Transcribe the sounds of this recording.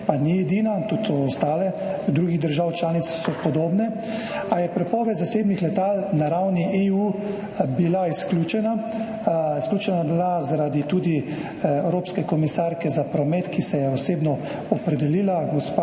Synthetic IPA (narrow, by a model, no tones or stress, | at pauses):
paniɛd̪iːnat̪ut̪sɔɔst̪aːlɛ | d̪ɾuːɡiɣd̪əɾʒaːwt͡ʃlaːnit̪ssɔpɔd̪oːbnɛ | ajɛpɾɛpɔːʋɛt̪zaseːbnixlɛt̪alnaɾawniʔeu | bilaisklʲuːt͡ʃɛna | isklʲuːt͡ʃɛnabilazaɾad̪it̪uːd̪i | ɛwɾoːpskɛkɔmisaɾkɛzapɾɔmɛːt̪kisɛjɛɔseːbnɔ | ɔpɾɛd̪ɛliːlaɡɔspa